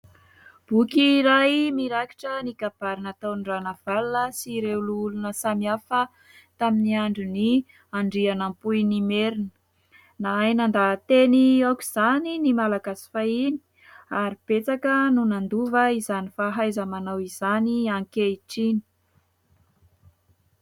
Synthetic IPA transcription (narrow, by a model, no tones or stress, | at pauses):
b̥ukiɾajmiɾaki̥ʈ͡ʂənikab̥aɾinat̪anɖ͡ʐanav̥alnəsiɾelulunəsamiafə | t̪aminiaɳɖ͡ʐuni | aɳɖ͡ʐianampujnimeɾinə | naajnand̪at̪eniakʲiz̥aninimalaɡasi̥faini̥ | aɾib̥et͡sakənunand̪uvəizanifaɦajzəmanawizaniaŋkeiʈ͡ʂini̥